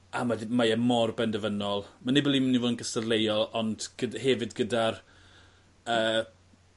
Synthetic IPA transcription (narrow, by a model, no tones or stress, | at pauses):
amadimajɛmɔrbɛndəvənɔlˠmanebɔlˠimənivoːdənɡəsərlejɔlˠɔnd̥ɡ̥ədhɛvɨdɡədar | əː